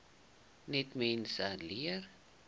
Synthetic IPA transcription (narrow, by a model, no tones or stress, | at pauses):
nɛtmɛnsaliər